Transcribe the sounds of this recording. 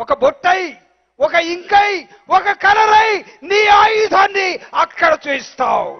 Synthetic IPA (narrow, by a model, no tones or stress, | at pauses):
wɔkɐbɔʈːɐj | wɔkɐiŋkɐj | wɔkɐkɐlɐɾɐjniaːjid̪ʱɐnːiɐkːɐɽɐt͡ʃest̪ʰaːwu